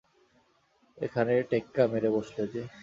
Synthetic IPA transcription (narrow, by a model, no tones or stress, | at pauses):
ekʰaneʈekːameɾeboʃled͡ʑe